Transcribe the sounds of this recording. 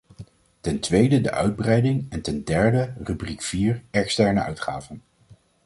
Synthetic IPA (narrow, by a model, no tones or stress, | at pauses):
tɛntʋejdədə̰ʔœ̰ɥd̚brɛjdɪŋɛntɛndɛɹdərybrikfiːɹɛkstɛɹnəʔœ̰ɥtχa̰ːvən